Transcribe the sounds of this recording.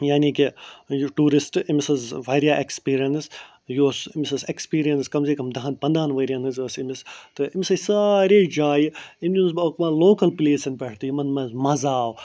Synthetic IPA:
jaːnikijʈuːɾisʈimisɐzʋɐːɾjaːʔekspiːɾijɐns | joːsimisɐzekspiːɾijɐnskɐmzeːkɐmd̪ɐɦɐnpɐnd̪aːnʋɐːɾʲjanɨzɐsimist̪ɨimisɐsaːɾeːd͡ʒaːjimd̪ʲinzɐkmɐloːkɐlpileːsɐnpɛʈʰt̪iimɐnmɐzmɐzaːw

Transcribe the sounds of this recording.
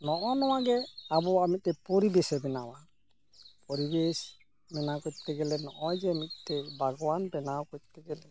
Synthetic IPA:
nɔʔɔnɔwaɡɛabɔamit̪̚t̪ɛpɔɾibɛsɛbɛnawa | pɔɾibɛs | mɛnakɔt̪ɛɡɛlɛnɔʔɔjd͡ʒɛmit̪̚ˀt̪ɛbʱaɡɔwanpɛnawkɔt̚t̪ɛɡɛlɛ

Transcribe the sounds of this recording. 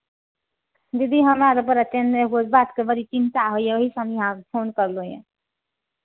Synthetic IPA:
jʌd̪iɦəmaɾopəɾət͡ʃeneɦod͡ʒbat̪kebəɾit͡ʃint̪aɦojjeoɦisəmjɦãkpʰonkʌɾlojḛ̃

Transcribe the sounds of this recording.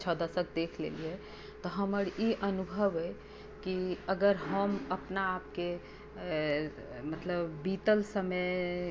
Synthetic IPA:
t͡ʃʰəd̪əsək̚d̪ekʰlḛliɛ | t̪ɔɦəməɾiʔənubʱəʋəj | kiəɡəɾɦəməpnaːp̚ke | mət̪ləbbit̪əlsəmə

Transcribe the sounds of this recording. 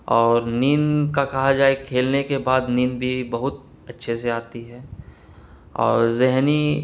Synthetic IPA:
ɔːɾniːnkakɐɦad͡ʒaːekʰeːlnekebaːd̪niːnbʱibɐɦʊt̪̚ | ɐtːʃʰeseaːt̪iɦɛː | ɔ̰ːɾzɪɦni

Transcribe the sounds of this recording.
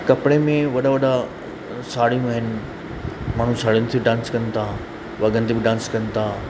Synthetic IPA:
kɐpɽemẽʋɐɗaʋɐɗa | saːɽijũɐɦɪnɪ̆ | maːɳ̤ũsaːɽənɪt̪ʰebɪɖãːnskɐ̃nt̪ʰa | ʋɐɡənɪ̆t̪ebɪɖãːnskɐ̃n̆t̪ʰaː

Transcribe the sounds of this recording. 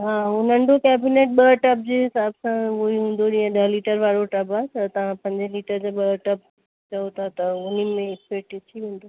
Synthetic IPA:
ɦaːʊn̤ə̃ɳɖokɛːbineːʈ̚ɓəːʈɐp̚d͡ʑeːɦɪsaːbsãoːiɦũːn̆d̪od͡ʑĩə̃ɗ̪ɐɦliːʈəɾʋaːɽoʈɐbat̪ɐt̪ɐʋ̤ãpɐ̃ɲd͡ʑliːʈəɾd͡ʑaɓəːʈɐp̚ | t͡ɕɐot̪ʰat̪ɐʊnimẽɪspeːk̚ʈet̪ʰiʋẽːnd̪oː

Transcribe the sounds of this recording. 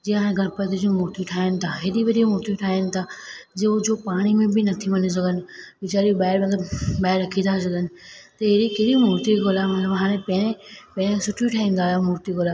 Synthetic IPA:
d͡ʑiːɦaːɽ̃ẽɡʱɐɾpɐt̪id͡ʑũːmʊɾt̪ijuʈʰaːɪənɪ̆t̪ʰaɦɪɗiʋɐɾimʊɾt̪ijuʈʰaːijənɪ̆t̪ʰaːd͡ʑeːd͡ʑopaːɽ̃imẽbɪnɐt̪ʰiʋɐnis̬ɐɡʱənɪ̆ʋɪt͡ɕaːɾiɓaːɪɾmɐ̃d̪əɓaːɪɾːɐkʰit̪ʰasɐɡʱənɪ̆t̪ɐɦɪɾikeɾimʊːɾt̪iɡoːlamɐt̪ləbɦaːɽ̃ẽpɐ̃ɽ̃epɐ̃ɾ̃ẽsʊʈʰuʈʰaːɪnd̪aːlamʊɾt̪iɡoːlaː

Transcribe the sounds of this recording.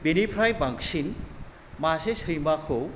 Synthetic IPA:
binipʰɾajbaŋksin | masesɯjmakʰo

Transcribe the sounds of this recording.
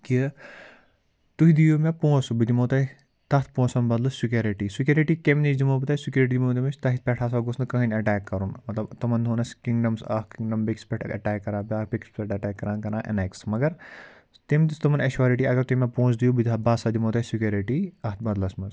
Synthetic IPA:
ki | t̪uɦid̪ijumẽpõːsbid̪imoːt̪ɐ | t̪ɐt̪ʰpõːsɐmbɐd̪lɐssuk̬ʲoɾiʈiːsikʲɐɾiʈiːkemnisd̪imoːbɨt̪ɐsikʲjuɾiʈid̪imoːd̪imɐt͡ʃʰʲt̪ɐɦit̪pʲɛʈʰaːs̬aːɡosnkɐɦɐnʲɐʈaːkːɐɾunmɐt̪lɐbt̪ɐmɐnd̪unɐskiŋɖɐmsɐ̰hkiŋɖɐmbekspʲeʈʰɐ̰ʈɛːkːɐɾãːbʲaːbikspeʈɐʈɛːkːɐɾaːnkɐnãːʔɐ̰neksmɐɡɐɾ | t̪emt̪ist̪ɐmɐnɐʃʋaːɾiʈiːɐɡɐɾt̪uimãpõːt͡sd̪ijubid̪ʲabaːsaːd̪imoːt̪ɐsikʲjoɾiʈiːɐɦt̪̚ʰbɐd̪lɐsmɐs

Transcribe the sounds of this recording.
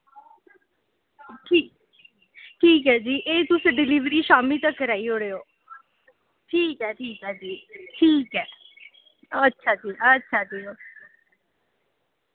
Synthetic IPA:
ʈʰː | ʈʰiːkɦɛːd͡ʒiːʔeːt̪ʊsɖɪliːʋɾiːʃaːmiːt̪əkːəɾaːiːɦoːɽeːoː | ʈʰiːkɦɛːʈʰiːkɛːd͡ʒiːʈʰiːkɦɛː | ətːʃʰaːt̪iːətːʃʰaːd̪eːoː

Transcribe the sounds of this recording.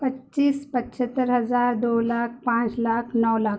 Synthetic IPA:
pətːɕiːspətːɕət̪ːəɾɦəd͡zaɾd̪olak̚ʰpãt͡slakʰnəwla

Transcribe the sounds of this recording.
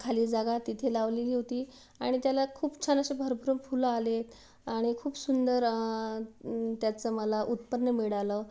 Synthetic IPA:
kʰaliːd͡zaɡat̪ːit̪ʰelaʋliliɦot̪iː | aɽ̃it̪jalakʰuːpt͡ɕʰanaɕebʱəɾbʱəɾuːmfuləale | aɽ̃ikʰuːpsund̪əɾ | t̪jat͡səməlaʔut̪pənːəmiɽaləː

